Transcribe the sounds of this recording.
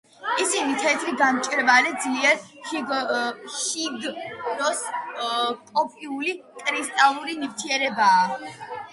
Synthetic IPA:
isinit̪ʰɛt̪ʰɾiɡamt͡ʃʼɾvalɛd̪zliɛɾʃiɡʃiɡnɔs | kʼɔpʼiulikʼɾist̪ʼalˠuɾinivt̪ʰiɛɾɛbaː

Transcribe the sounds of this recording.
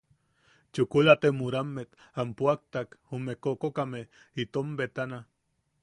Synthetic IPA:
t͡ʃukulat̪emuɾamːet̪ | ampuak̚t̪akhumekokokame | it̪ombet̪ana

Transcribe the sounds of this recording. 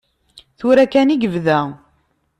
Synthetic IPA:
θuɾækæniɡəvðæ

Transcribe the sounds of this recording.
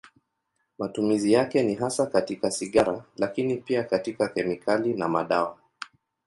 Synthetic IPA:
matumizijakɛniɦasakatikasiɠaɾalakinipiakatikakɛmikʰalinamaɗawa

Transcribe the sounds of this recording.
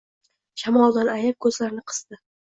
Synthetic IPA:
ʃamɒlˠd̪anajap̚kʰɵzlaɾnɪqʰɨ̥z̥d̪ɪ

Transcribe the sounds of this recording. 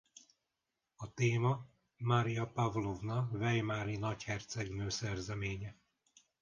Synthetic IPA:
ɒt̪eːmɒ | maɾijɒpavlovnɒvɛjmaːɾinɒchɛrt̪sɛɡnøːsɛrzɛmeːɲɛ

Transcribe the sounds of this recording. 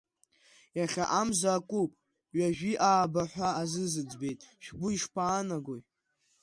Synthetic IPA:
jaχʲa̰ʔamzaːkʼupʼ | ɥaʒᶣiʔaːbaħʷaːzɨzɨd͡zbe̞jtʼʃᶣɡʷʊiʂpʰʼaːnaɡʷoj

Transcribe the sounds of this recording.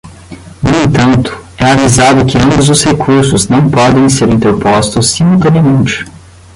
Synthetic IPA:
nʊẽnt̪ɐ̃nt̪ʊ̥ɛavizad̪ʊkɪɐ̃mbʊzʊshekʰuɾsʊznɐ̃w̃pɔd̪ẽj̃seɾĩnt̪eɾpɔst̪ʊsːimulˠt̪ɐ̃niɐmẽnt͡ʃɪ̥

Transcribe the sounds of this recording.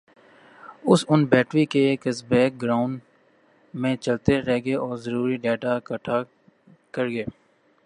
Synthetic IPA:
ʊsʊnbɛːʈɾikeːkɪsbɛːk̚ɡɾaːʊɳ | mẽt͡ʃəlt̪eɾɛɦɡeʔɔːɾzəɾuːɾiɖeːʈakəʈʰa | kəɾɡeː

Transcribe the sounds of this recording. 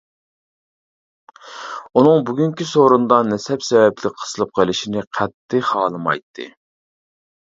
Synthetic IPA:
unɨŋbuɡʲyŋkʲisoɾund̪ɑnɛsɛpsɛvɛplɪk̚ʲqʰə̥sɨlˠɨp̚qʰəlˠɪʃinɪqʰɛt̪ːɪχɑːlˠɨmɑ̰jt̪ʰːɨ̰

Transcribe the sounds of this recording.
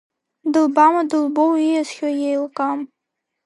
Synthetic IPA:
dɨlbamadɨlˠbowijazχʲɔjejlˠqʼam

